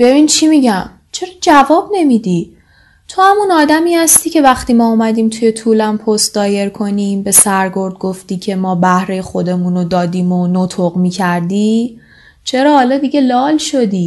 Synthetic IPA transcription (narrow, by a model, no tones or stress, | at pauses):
b̥e̞biːnt͡ʃʰimiɟæm | t͡ʃʰe̞ɾɒːd͡ʒævɒːbne̞mid̪i | t̪ʰohæmunɒːd̪æmiːhæst̪iːcʰe̞væxt̪iːmɒːumæd̪iːmt̪ʰuje̞t̪ʰuːlæmpʰost̪̚d̪ɒːje̞ɾkʰo̞niːmbe̞sæɾɡo̞ɾd̪̚ɡo̞ft̪iːcʰe̞mɒːbæhɾe̞jxo̞d̪e̞muːnod̪ɒːd̪iːmonot̪ʰoɣmiːcʰæɾd̪iː | t͡ʃʰe̞ɾɒːhːlɒːd̪iɟe̞lɒːlʃo̞d̪iː